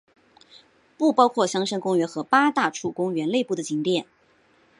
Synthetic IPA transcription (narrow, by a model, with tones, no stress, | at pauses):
pu˥˩pɑ˥ʊkʰwɔ˥˩ɕjɑ˥ŋʂə˥nkʊ˥ŋɥɛ˧˥nxɤ˧˥pa˥t̪a˥˧ʈ͡ʂʰu˥˩kʊ˥ŋɥɛ˧˥nle˥˧ɪpu˥˩d̪ə˩t͡ɕi˧˥ŋt̪jɛ˥˩n